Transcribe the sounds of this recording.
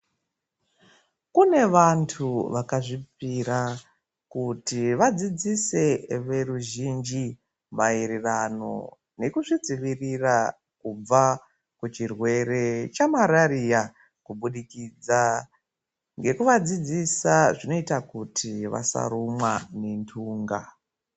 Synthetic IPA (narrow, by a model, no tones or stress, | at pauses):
kune̞ʋantʰuʋakaʐipiɾa | kutiʋad͡zid͡zise̞ʋe̞ɾuʒind͡ʒi | maiɾirano̞̰ | ne̞kuʐid͡ziʋirira | kub͡va | kut͡ʃirwe̞ɾe̞t͡ʃamaɾaɾija | kuɓuɗikiːd͡za | ŋɡe̞kuʋad͡zid͡zisaʐino̞itakutʰiʋa̰sa̰ɾumwane̞ntʰuːŋɡa̰